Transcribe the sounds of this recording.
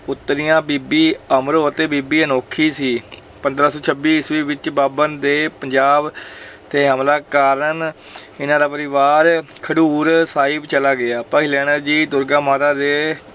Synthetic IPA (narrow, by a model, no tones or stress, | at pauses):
ʊt̪ːɾijãːbiːbiːəməɾoːət̪eːbiːbiːənoːkʰːiːsiː | pə̃nd̪ɾaːsɔːt͡ʃʰəbiːɪsʋiːʋɪt͡ʃbaːbənd̪eːpəɲd͡ʒaːbt̪ʰeːɦəmlaːkaːɾənɪnãːd̪aːpəɾɪʋaːɾkʰəɽuːɾsaːɪbt͡ʃəlaːɡɪaːpaːilɛːɳ̃əɾd͡ʒiːd̪ʊɾɡãːmaːt̪aːd̪eː